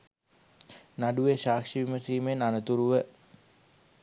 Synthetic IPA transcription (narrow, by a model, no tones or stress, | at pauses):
naɖuʋeʃaːkʂiʋiməsiːmenanət̪uɾuʋə